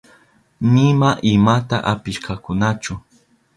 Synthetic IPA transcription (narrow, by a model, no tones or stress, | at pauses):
nɪmaʔɪmat̪aʔapɪʃkʰakʊnat͡ʃʊ